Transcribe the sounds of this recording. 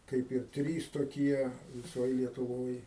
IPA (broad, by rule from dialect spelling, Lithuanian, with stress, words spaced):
ˈkɐɪp ɪr ˈtʲrʲiːs toːˈkʲiɛ ʋʲɪˈsoːj lʲiɛtʊˈʋoːj